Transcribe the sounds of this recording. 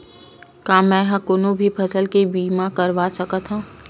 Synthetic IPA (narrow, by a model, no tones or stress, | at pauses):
kaːmɛ̃ɦãkonõbʱipʰɐsəlkebiːmakɐɾʋaːsɐkat̪ʰɦãː